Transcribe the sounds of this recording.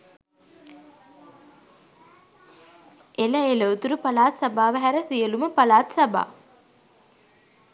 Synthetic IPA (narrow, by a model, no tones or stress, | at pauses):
ʔeləelowt̪uɾupalaːt̪sabaːʋəɦæɾəsijəluməpalaːt̪sɐba̰ː